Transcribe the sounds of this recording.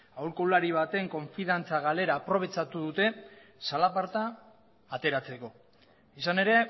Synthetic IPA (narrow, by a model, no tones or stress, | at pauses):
awɾkolaɾiβ̞at̪e̞ŋko̞ɱfiðant͡saɣale̞ɾaːpɾo̞β̞e̞t͡ʃat̪uðut̪e̞salapaɾt̪aː | t̪e̞ɾat͡se̞ko̞ | isane̞ɾe̞